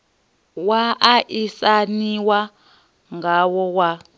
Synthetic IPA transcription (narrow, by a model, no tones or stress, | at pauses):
waʔaʔisaniwa | ŋɡawɔwa